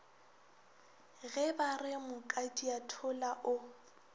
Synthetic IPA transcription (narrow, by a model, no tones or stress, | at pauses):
ɣɛbarɪmʊkʼatʼiatʰʊlaʔʊ